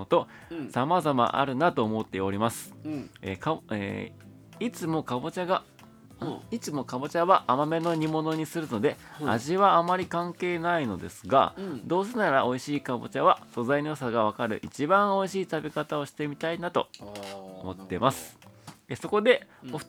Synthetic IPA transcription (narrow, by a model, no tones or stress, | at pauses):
ot̪o̞ | samazama̰ʔa̰ɾɯ̟nat̪o̞ːmo̞t̪ːe̞o̞ɾʲimasɨ̥ḛkaḛ | it͡sɨmo̞kabo̞t͡ɕaɡa | it͡sɨmo̞kabo̞t͡ɕaβaʔːmame̞no̞ɲ̟imo̞no̞ɲ̟isɨɾɯ̟no̞d̪e̞a̰ʑiβaːmaɾʲikãŋke̞ːnaino̞d̪e̞sɨ̥ɡa̰d̪o̞ːsenaɾaʔo̞iɕiːkabo̞̰t͡ɕaβaso̞zainos̬aɡaβakaɾɯ̟̰ʔit͡ɕibãɰ̃o̞iɕiːt̪abikat̪ao̞ɕi̥t̪e̞mʲit̪ainat̪o̞̰ | o̰mo̞t̪ːe̞masɨ̥eso̞ko̞d̪e̞o̥